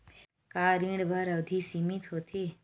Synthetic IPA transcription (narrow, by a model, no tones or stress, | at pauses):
kaːɾĩɽbʱəɾəʋd̪ʱiːsimit̪ɦot̪ʰi